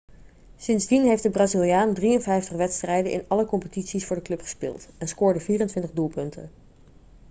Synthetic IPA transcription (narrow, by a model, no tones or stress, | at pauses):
sɪnzdinɦejftdəbraːzilˠijaːndrijənvɛjftəχʋɛtstrɛjdənʔɪ̰nɑləkɔmpətitsisfʊːɹdəklɵpχə̥spɪ̰ːlˠtɛnskʊːɹdəviːrəntʋɪntəχdulˠpɵntə̰n